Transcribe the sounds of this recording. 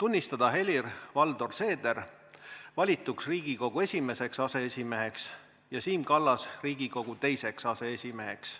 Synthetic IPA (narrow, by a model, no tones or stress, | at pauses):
t̪unʲːist̪ɑd̪̥ɑɦe̞lʲirvɑld̪̥o̞rse̞ːd̪̥e̞r | vɑlʲit̪ːˑuksriːɡ̥iko̞ɡ̥ue̞sʲime̞se̞ksɑse̞esʲime̞ɦe̞ks | jɑsiːmkɑlːɑsriːɡ̥iko̞ɡ̥ut̪e̞jse̞ksɑse̞esʲime̞ɦe̞̰ks